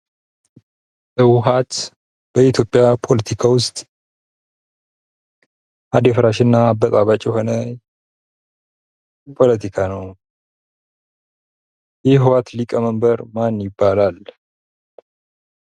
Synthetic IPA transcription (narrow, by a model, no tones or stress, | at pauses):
bəwʊɦat̪ | b̥əit̪ʰjo̞pʼːjapʰo̞lət̪ʰikʰawʊst̪ʼ | ʔad̪efɾaʃɪnːabət̪ʼaβat͡ʃʼjɦo̞nə | pʰo̞lət̪ʰikʰanəw | jɛɦwat̪likʼəməmbəɾmanjɪbːalal